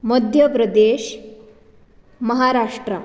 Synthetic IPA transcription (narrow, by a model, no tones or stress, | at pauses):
məd̪ʱjəpɾɐd̪eɕ | mɐɦaɾaʂʈɾə